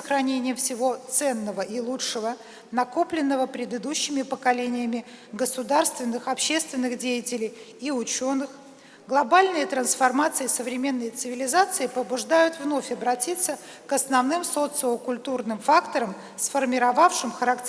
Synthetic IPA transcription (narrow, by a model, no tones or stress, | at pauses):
əxɾɐnʲenʲɪjəfsʲɪvo̞t̪sɛnːəvəʔilˠuʂəvə | nɐkoplʲɪnːəvəpɾʲɪd̪ɨd̪uɕːɪmʲɪpəkɐlʲenʲɪjəmʲɪɡəsʊd̪arst̪vʲɪnːɨxɐpɕːe̞st̪vʲɪnːɨxdʲejətʲɪlʲɪjiʊt͡ɕonːɨx | ɡlˠɐbalʲnɨjət̪ɾənsfɐrmat̪sɨɪsəvɾʲɪmʲe̞nːəjt̪sɨvʲɪlʲɪzat̪sɨɪpəbʊʐd̪ajʊt̪vno̞fʲɐbɾɐtʲit̪sːə | kɐsnɐvnɨmso̞t̪sɨləkʊlʲt̪urnɨmfakt̪əɾəm | sfərmʲɪɾɐvafʂɨmxəɾakʲ